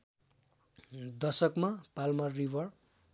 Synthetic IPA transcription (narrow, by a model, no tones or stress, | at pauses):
d̪ʌsʌkmapalmʌrːibʱʌr